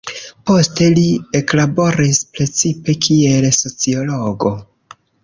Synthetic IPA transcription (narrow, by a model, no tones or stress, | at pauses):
po̞ste̞lieklabo̞ɾispɾe̞t͡sipe̞kʰielso̞t͡sio̞lo̞ɡo̞